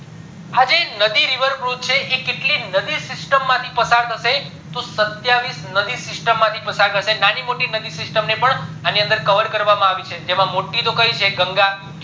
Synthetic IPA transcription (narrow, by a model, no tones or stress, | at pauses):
ad͡ʒenəd̪iɾiʋəɾfɾut̪̚t͡ʃʰeʔekeʈlinəd̪isɪsʈəmːãt̪ʰipəsaɾt̪ʰəʃe | t̪osət̪jaʋisnəd̪isɪsʈəmːãt̪ʰipəsaɾt̪ʰəʃenanimoʈinəd̪isɪsʈəmnepəɳaniə̃nd̪əɾkəʋəɾkəɾʋamãaʋit͡ʃʰed͡ʒemãmoʈːit̪okəɦit͡ʃʰeɡəŋɡa